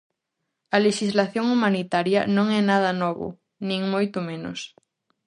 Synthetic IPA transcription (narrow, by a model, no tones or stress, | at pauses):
ɐleʃizlaθjoŋumanit̪aɾjɐnõŋɛnaðɐnɔβʊ̰ | nĩŋmojt̪ʊmẽnʊ̰s